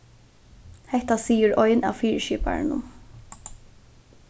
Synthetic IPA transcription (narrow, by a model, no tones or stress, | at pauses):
hɛht̪asiːəɹɔjna̰ːʋfiːɹʃiːpa̰ɹnʊ̰m